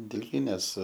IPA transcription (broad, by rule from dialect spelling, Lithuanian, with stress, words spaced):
dʲɪlʲˈɡʲiːnʲeːs